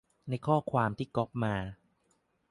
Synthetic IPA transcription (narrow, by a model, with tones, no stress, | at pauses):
na˧jkʰɔː˥˩kʰwaː˧mt̪ʰiː˥˩kɔ˦˥p̚maː˧